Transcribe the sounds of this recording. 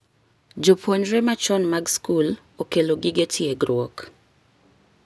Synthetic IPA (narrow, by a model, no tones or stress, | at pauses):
d͡ʒopʰoɲɾemat͡ʃɔnmaɡskul | okeloɡiɡetʰɪjeɡɾwɔk